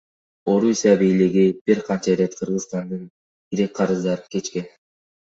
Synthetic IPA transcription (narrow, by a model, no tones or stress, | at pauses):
o̞ɾusʲijabijliɡib̥iɾqʰɑnt͡ʃɑɾe̞t̪qʰɯɾʁɯzst̪ɑnd̪ɯn | ɡiɾe̞k̚ʲqʰɑɾɯzd̪ɑɾɯkʰe̞t͡ʃke̞n